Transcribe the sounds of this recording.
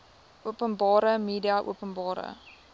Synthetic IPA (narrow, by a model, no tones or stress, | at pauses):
uəpənbɑːɾəmiːdiɐʔṵəpənbɑːɾə̰